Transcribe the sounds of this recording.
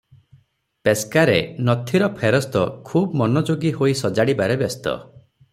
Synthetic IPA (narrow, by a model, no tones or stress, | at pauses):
peskaɾenɔt̪ʰiɾɔpʰeɾɔst̪ɔkʰubmɔnɔd͡ʒoɡihoisɔd͡ʒaɽibaɾebest̪ɔ̰